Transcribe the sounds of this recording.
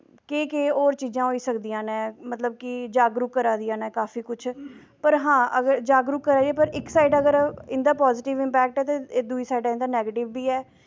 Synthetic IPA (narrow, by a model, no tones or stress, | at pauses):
keːkeːɔːɾt͡ʃiːzãːɦoːiːsəkd̪ijãːnɛ̃ːmət̪ləb̚kɪd͡ʒaːɡɾuːkːəɾaːd̪ijãːnɛːkaːfiːkʊt͡ʃʰ | pəɾɦãːʔəɡəɾd͡ʒaːɡɾuːkːəɾaːdiɛːpəɾɪksaːiɖəɡəɾɪ̃nd̪aːpaːzɪʈɪʋɪ̃mpɛːk̚ʈɛːt̪ed̪uːiːsaːiɖaːɪnd̪aːnɛːɡeːʈɪʋːiːɛː